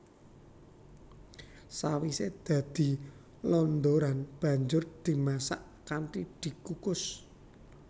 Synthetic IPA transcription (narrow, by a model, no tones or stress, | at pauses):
sawised̪̥ä̤d̪̥i̤ | lɔnd̪oɾanb̥ä̤ɲd͡ʒʊrd̪̥i̤masaʔ | kanʈid̪̥i̤kukʊs